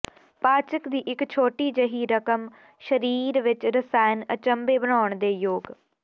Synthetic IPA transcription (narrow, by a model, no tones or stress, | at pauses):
paːt͡ʃəkd̪iːʔɪkt͡ʃʰoːʈiːd͡ʒəɦiːɾəkəm | ʃəɾiːɾʋɪt͡ʃɾəsaːjnət͡ʃəmbeːbənaːəɳd̪eːjoːɡ